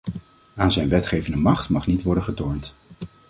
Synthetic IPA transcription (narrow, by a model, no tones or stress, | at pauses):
aːnzɛjnʋɛtχejvəndəmɑχtmɑχnitʋɔɹdənχətɔːɹnt